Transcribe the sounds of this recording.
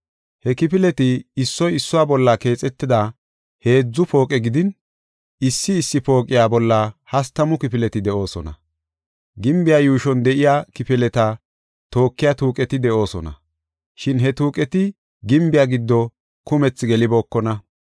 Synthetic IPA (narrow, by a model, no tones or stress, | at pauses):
hɛkɪpɪlɛt̪ɪːsːɔjɪsːʊwaːbɔlːake̞ːt͡sʼɛt̪ːɪd̪a | he̞ːd͡zːʊpʰo̞ːkʼɛɡɪd̪ɪn | ɪsːɪːsːɪpo̞ːkʼɪjaːbɔlːɐhɐst̪ɐmʊkɪpɪlɛt̪ɪd̪ɛʔo̞ːsɔ̰nɐ̰ | ɡɪmbɪjaːjuːʃɔnd̪ɛʔɪjaːkɪpɪlɛt̪ɐ | t̪o̞ːkːɪjat̪uːkʼɛt̪ɪd̪ɛʔo̞ːsɔnɐ̰ | ʃɪnɦɛt̪uːkʼɛt̪ɪ | ɡɪmbɪjaːɡɪd̪ːɔ | kʊmɛt͡sːɡɛlɪbo̞ːkːɔnɐ